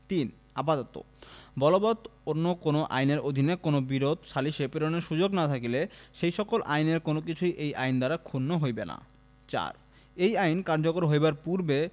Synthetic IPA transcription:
t̪in | apat̪ot̪o̰ | bɔlobɔt̪onːokonoʔa̰jneɾod̪ʱinekonobiɾod̪ʱʃaliʃepeɾoneɾʃud͡ʑoɡnat̪ʰakileʃejʃɔkolʔajneɾkonok̬it͡ɕʰujʔejʔajnd̪aɾakʰunːoɦojbena̰ | t͡ɕa̰ɾ | ejajnkaɾd͡ʑokoɾɦojbaɾpuɾbe

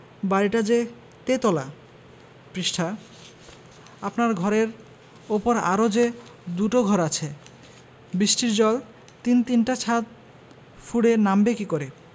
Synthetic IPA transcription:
baɾiʈad͡ʑe | t̪et̪ɔla | pɾiʃʈʰa | apnaɾɡʱɔɾeɾ | opoɾa̰ɾod͡ʑed̪uʈoɡʱɔɾat͡ɕʰe | bɾiʃʈiɾd͡ʑɔl | t̪int̪inʈat͡ɕʰat̪̚ | fʰuɽenambekikoɾe

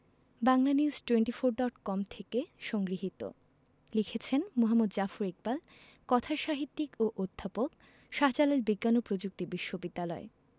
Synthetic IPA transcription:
baŋlaniuzʈweɳʈifoɾɖɔʈkɔmt̪ʰekeʃɔŋɡɾiɦit̪o̰ | likʰet͡ɕʰenmoɦamːod̪d͡ʑafuɾek̚bal | kɔt̪ʰaʃaɦit̪ːikoʔod̪ʱːapok | ʃaɦd͡ʑalaeɾbiɡːanopɾod͡ʑuk̚t̪ibiʃːobid̪ːalɔe

